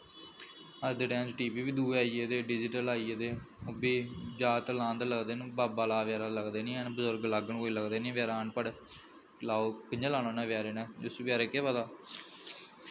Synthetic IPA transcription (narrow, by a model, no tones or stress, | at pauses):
əd̪ɖɛ̃ːnd͡ʒʈiːpiːʋiːd̪uːaːiːeːd̪eːɖɪd͡ʒɪʈəlaːied̪eːobiːd͡ʒaːt̪lãːnd̪ləɡd̪eːnbaːbaːlaːʋjaːɾaːləɡd̪eːnĩːɛnbəzʊɾɡləɡəɳkoːiːləɡd̪eːnẽːʋjaːɾaːɳpəɽ | laːokəɲd͡ʒaːlaːnoːnɛ̃ːʋɪjaːɾeːnɛ̃ːd͡ʒʊsʋjaːɾeːkeːʋad̪aː